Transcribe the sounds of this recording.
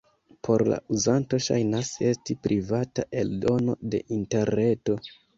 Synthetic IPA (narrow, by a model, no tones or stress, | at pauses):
pʰo̞ɾla̰uzanto̞ʃa̰jnase̞stipɾivataʔe̞ldo̞no̞̰de̞̰ʔinte̞ɾne̞to̞